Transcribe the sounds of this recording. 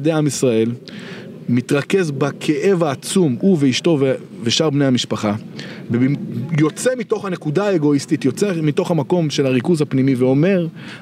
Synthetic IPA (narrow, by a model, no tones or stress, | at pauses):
d̪eamisʁae̞l | mit̪ʁake̞zbakʰe̞ʔe̞vaːt͡sumuveiʃto̞ve | veʃaʁbnejamiʃpaχabejo̞t͡semito̞χhane̞kudaːe̞ɡo̞istit̪jo̞t͡semito̞χhamako̞mʃe̞laʁikuzhapnimiveo̞me̞ʁ